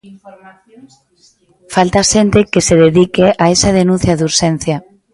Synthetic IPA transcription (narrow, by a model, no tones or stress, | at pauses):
falt̪aʃent̪ekeseðeðikeʔaesað̞enũn̟θjaðuɾʃen̟θja